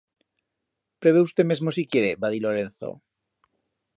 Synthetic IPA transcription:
pɾeβ̞eust̪eme̞zmosikjeɾebaðiloɾenθo̰

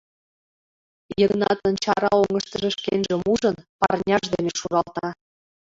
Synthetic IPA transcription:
jəɡnɑt̪ə̆nt͡ɕɑɾɑoŋə̆ʃt̪ə̆ʒĕʃkenʒĕmuʒɤ̆npɑrnʲɑʃd̪eneʃuɾɑlˠt̪ɑ

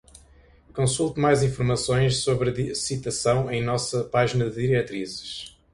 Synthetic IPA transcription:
kõsulˠt̪umajzĩfuɾmɐsõj̃ʃsoβɾðisit̪ɐsɐ̃w̃ẽj̃nɔsɐpaʒinɐðɨðiɾɛt̪ɾizɨʃ

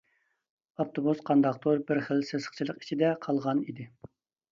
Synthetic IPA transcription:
ɑft̪ʰobusqʰɑnd̪ɑq̚t̪oɾbɪɾχəlsesə̥χt͡ʃʰilˠəqi̥t͡ʃʰid̪ɛqʰɑlˠʁɑnid̪ɪ

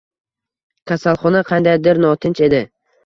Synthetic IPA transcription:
kʲʰasalˠχɒnaqʰɑnd̪ajd̪ɪɾnɒt̪ʰɪnt͡ʃe̞d̪ɪ

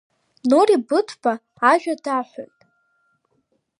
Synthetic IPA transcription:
noribɨtʷʰbaː | ʒᶣadaħʷo̰jtʼ

